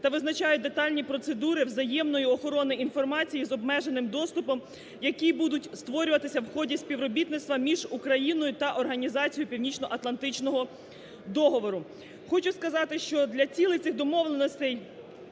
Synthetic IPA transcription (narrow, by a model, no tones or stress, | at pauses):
t̪ɐʋɪznɐt͡ʃɑjʊt̚ʲd̪et̪ɑlʲnʲipɾɔt̪se̞d̪uɾɪwzɐjɛmnɔjiɔxɔɾɔnɪinfɔrmɑt͡sʲijizɔbmɛʒenɪmd̪ɔst̪ʊpɔm | jɐkʲibud̪ʊtʲst̪ʋɔɾʲʊʋɐt̪ɪsʲɐwxɔdʲisʲpʲiʋɾɔbʲit̪nɪt̪st̪ʋɐmʲiʒukɾɐjinɔjʊt̪ɐʔɔrɦɐnʲizɑt͡sʲijʊpʲiwnʲit͡ʃnɔʔɐt̪lˠɐnt̪ɪt͡ʃnɔɦɔ | d̪ɔɦɔʋɔɾʊ | xɔt͡ʃʊskɐzɑt̪ɪʃt͡ʃɔd̪lʲɐt͡sʲilˠɪt̪sɪxd̪ɔmɔʋlˠenɔsʲt̪ɛj